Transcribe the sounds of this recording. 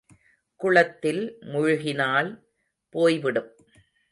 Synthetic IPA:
kʊɭɐt̪ːɪlmʊɻʊɣɪnaːl | poːjʋɪɽɯm

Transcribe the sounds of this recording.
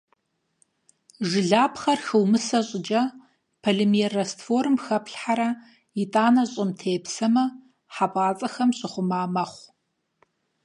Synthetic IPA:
ʒɨɮaːpχɐrxɨwmɨsɐɕʼɪd͡ʒɐ | pʰɐɮɪmierɐstfoːrɨmxɐpɬħaɾɐ | itʼaːnɐɕʼɪmtʰeːpsɐmɐ | ħapʼaːt͡sʼɐxɐmɕʼɪχʷʊmaːmɐχʷ

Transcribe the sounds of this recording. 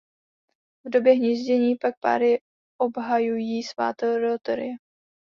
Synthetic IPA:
vdo̞bjɛɦɲizɟɛɲiːpak̚pa̰ːɾɪ | ʔobɦajujiːsva̰ːt̪ɛɾot̪ɛɾɪ̰ɛ

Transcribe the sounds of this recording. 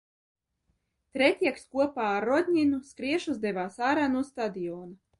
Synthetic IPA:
t̪ɾɛt̪ʲiɛkskuɔpaːaɾːɔd̪ʲɲʲinuskɾiɛʃuzd̪ɛvaːsaːɾaːnuɔst̪ad̪ijɔːna

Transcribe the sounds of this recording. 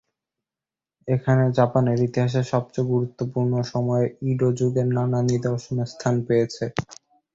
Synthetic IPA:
ekʰaned͡ʑapaneɾit̪iɦaʃ̬eɾʃɔb̚t͡ɕeɡuɾut̪ːopuɾnoʃɔmɔeiɖod͡ʑuɡeɾnananid̪eoʃonest̪ʰanpejet͡ɕʰe

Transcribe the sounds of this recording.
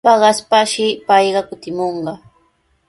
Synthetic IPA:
pɑɢɑspaʃɪpɑjɢɑkʊt̪ɪmoɴɢɑ

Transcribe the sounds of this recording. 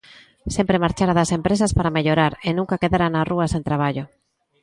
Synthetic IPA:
sempɾemaɾt͡ʃaɾaðasempɾesaspaɾameʎoɾaɾenũŋkakeðaɾanaruasent̪ɾaβ̞aʎo

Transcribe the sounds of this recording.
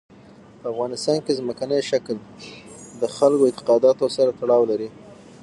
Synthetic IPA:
pəafɣɑnɪst̪ɑnkezməkanəjʃakl | d̪əxalkoɪnt̪ɪ̥qɑd̪ɑt̪osaɾat̪aɽɑwlaɾi

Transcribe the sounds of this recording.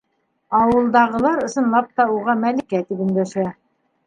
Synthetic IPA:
ɑwɤ̆lˠd̪ɑʁɤ̆lˠɑɾɤ̆sɤ̆nlˠɑp̚t̪ɑuʁɑmælikæt̪ipɵ̆ŋɡ̪æʃæ

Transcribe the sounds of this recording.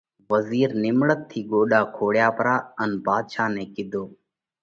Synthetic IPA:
ʋəziːɾnɪmɽət̪ʰːiːɠoːɗaːkʰoːɽjaːpəɾaːənbʱaːd̪ʃaːnẽːkɪd̪ʱoː

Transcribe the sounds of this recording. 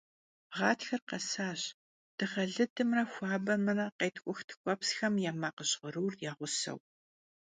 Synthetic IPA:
ʁɑːtʰxɐrqɐsaːɕ | d̥ɨχɐɮɨdʰɨmrɐxʷɑːbɐmɨrɐqeːtʰkʷʼʊxtʰɨ̥kʷʼɔpsxɐmjaːmaːqəɕʁəɾuːrjaːʁʷʊsɐ̰w

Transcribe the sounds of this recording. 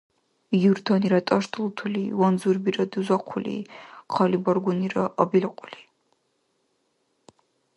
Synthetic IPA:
juɾd̪ʰaniɾat̪ʼaʃt̪ʰʼulˠt̪ʰulḭwanzuɾbiɾad̪uzaqʰulḭqʰalibaɾɡuniɾaʔabilqʼuli

